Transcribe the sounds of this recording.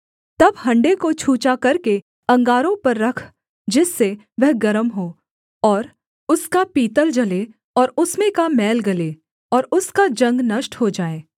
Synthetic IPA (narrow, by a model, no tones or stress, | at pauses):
t̪ɐbɦɐ̃ɳɖekot͡ʃʰuːt͡ʃakɐɾke | ɐ̃ŋɡaːɾõpɐɾːɐkʰ | d͡ʒɪsːe | ʋɛɦɡɐɾəmɦoː | ɔːɾ | ʊskapiːt̪əld͡ʒɐle | ɔːɾʊsmẽkamɛːlɡɐleː | ɔːɾʊskad͡ʒɐ̃ŋɡnɐʃʈɦod͡ʒaːeː